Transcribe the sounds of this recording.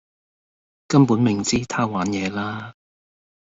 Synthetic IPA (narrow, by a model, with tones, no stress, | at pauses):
kɐ˥mpuː˨˥nmɪ˨˩ŋt͡siː˥t̪ʰaː˥waː˨˥njɛː˨˧laː˥